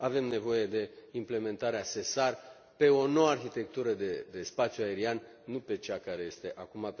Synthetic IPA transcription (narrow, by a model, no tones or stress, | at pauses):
ave̞mne̞vo̞je̞d̪e̞imple̞mẽ̞nt̪aɾease̞sar | pe̞o̞no̞warçit̪e̞k̚t̪uɾəd̪ed̪e̞spat̪sjuae̞ɾian | nupe̞t͡ʃakaɾeje̞st̪e̞ʔakuma